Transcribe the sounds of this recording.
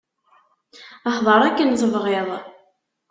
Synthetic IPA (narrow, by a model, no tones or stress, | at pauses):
əħðˤɑɾˤækːənzˤəvʁeðˤ